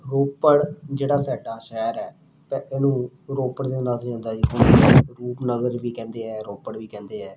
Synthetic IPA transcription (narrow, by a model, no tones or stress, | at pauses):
ɾoːpəɽd͡ʒeːɽaːsɛːʈaːʃɛːɾɛː | t̪ɛeːnũː | ɾoːpəɽd̪eːnaːt̪d͡ʒãːnd̪aːd͡ʒiːɦʊnɾuːpnəɡəɾʋiːkɛ̃ːnd̪eːɛːɾoːpəɽʋiːkɛ̃ːnd̪eːɛː